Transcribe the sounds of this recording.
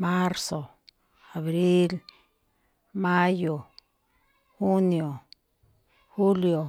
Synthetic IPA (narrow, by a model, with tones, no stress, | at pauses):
ma˦ɾso˨ | a˨βɾi˦l | ma˦jo˨ | xu˦njo˨ | xu˦ljo˨